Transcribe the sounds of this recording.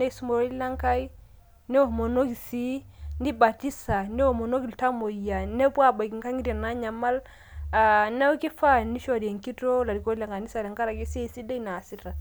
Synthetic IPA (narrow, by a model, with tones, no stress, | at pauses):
nɛ˦i˨su˦mo˨o˦i˦la˦ŋka˦i˦ | nɛ˦o˦˨mo˨no˦ki˨si˦ni˦ba˨ti˦sa˨nɛ˦o˦˨mo˨no˦ki˨lta˦mo˨ja˨nɛ˦pwa˦˨ba˨ki˨ŋka˦ŋi˦ɾa˨na˦ɲa˨ma˦l | a˨na˦u˦ki˦fa˦ni˦ʃɔ˦˨ɾi˨e˨ŋki˦to˦la˨ɾi˨ko˦i˦la˨ŋɡa˨ni˦sa˨ɾɛ˨ŋka˦ɾa˨ki˦si˦˨si˦de˦i˦na˨si˦ta˨